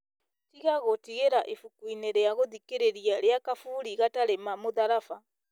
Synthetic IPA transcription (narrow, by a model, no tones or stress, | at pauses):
tiɣaɣotiɣeɾaʔifukwineɾejaɣoðikeɾeɾialejakafuliɣataɾemamuðaɾafa